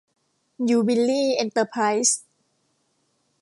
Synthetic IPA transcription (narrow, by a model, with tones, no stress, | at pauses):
juː˨˩bi˧liː˥˩ʔe˧nt̪ə˧pʰa˧˥js